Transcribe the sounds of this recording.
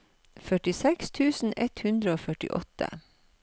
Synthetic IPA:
fœʈɪsɛkst̪ʰʉːsn̩ɛt̪hʉnd̪ɾəoːfœʈɪ̰ʔɔ̰t̪ʰə̰

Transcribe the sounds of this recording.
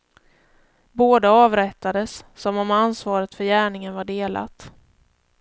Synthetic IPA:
boːd̪aɑːvɾɛt̪ːad̪əsːɔmɔmansvɑːɾət̪fœɾjæːɳɪŋənvaɖeːlʔa̰t̪

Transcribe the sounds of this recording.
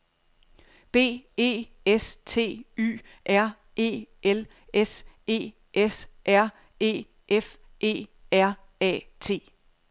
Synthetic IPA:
b̥e̝̰ːe̝̰ː | est͡sʰe̝̰ːy̰ː | ʔæɐ̰ | e̝̰ːʔel | ese̝̰ː | ʔesʔæɐ̰ | e̝̰ː | ʔef | ʔe̝̰ːæɐ̰ | ɛ̰ːt͡sʰe̝̰ː

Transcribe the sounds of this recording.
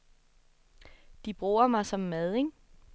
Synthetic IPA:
d̥ib̥ʁuːɐmɑ̈ɪsɒ̽mːæðˠeŋ

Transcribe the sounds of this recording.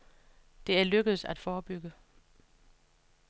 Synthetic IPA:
d̥e̝æɐløɡ̥əð̩ˠsæd̥fɒːb̥yɡ̥ə

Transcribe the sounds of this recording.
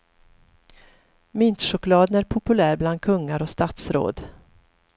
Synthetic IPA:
mɪnt̪ʂʊklɑːd̪ənæɾpʰʊpɵlæːɾbland̪̚kʰɵŋːaɾɔst̪at̪sɾo̰ːd̪

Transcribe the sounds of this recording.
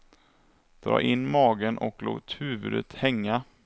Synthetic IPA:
d̪̥ɾɑ̰ːʔɪnːmɑːɡənʔɔkloːt̪hʉ̟ːvɵd̪ət̪hɛŋːa

